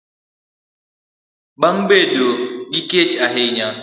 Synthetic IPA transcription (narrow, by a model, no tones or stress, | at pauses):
ɓaŋbedoɡiket͡ʃaɦejɲa